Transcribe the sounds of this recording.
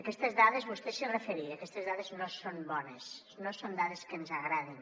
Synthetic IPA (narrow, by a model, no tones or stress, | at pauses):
əkɛst̪əzðaðəzβust̪esərəfəɾiəkɛst̪əzðaðəznosonbɔnəs | nosond̪aðəskənzəɣɾaðin